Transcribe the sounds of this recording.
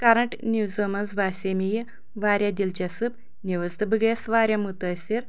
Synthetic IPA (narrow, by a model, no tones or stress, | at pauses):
kɐɾɐɳʈnʲuwzomɐnzbʱaːsʲemij | ʋaːɾʲjad̪ilt͡ʃɐsɨp | niʋɐzt̪ɨbɨɡesʋaːɾʲjamut̪ɐsʲiɾ